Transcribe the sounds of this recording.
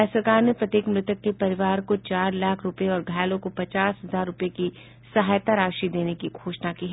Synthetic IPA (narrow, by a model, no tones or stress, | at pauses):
ɛːsəɾkaːɾnepɾɐt̪eːkmɾɪt̪əkːepɐɾɪʋaːɾkot͡ʃaːɾlaːkʰɾʊpeɔːɾɡʱaːlõkopɐt͡ʃaːsɦɐzaːɾːʊpeki | sɐɦaːjt̪aɾaːʃid̪eːnekiɡʱoːʃnakiːɦɛː